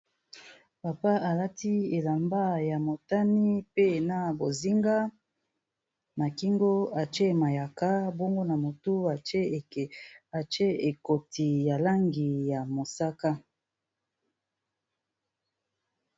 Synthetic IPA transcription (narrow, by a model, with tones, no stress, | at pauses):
pa˨pa˦a˨la˦ti˦e˨la˨mba˦ja˨mo˨ta˦ni˦pe˦˨na˦bo˨zi˦ŋɡa˦ | na˨ki˦ŋɡo˦a˨t͡ʃe˦ma˨ja˨ka˦bo˦ŋɡo˦na˨mo˨tu˦a˨t͡ʃe˦˨a˨t͡ʃe˦e˨ko˨ti˨ja˨la˦ŋɡi˨ja˨mo˨sa˦ka˦